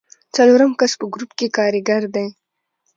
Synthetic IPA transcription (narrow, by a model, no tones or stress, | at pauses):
t͡sɐloɾəmkaspəɡɾupkekɑːɾɪɡaɾd̪ej